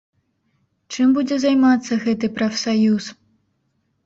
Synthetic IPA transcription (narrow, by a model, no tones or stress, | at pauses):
t͡ʂɨmbud͡zʲɛzajmat̪sːɐɣɛt̪ɨpɾɐfsajus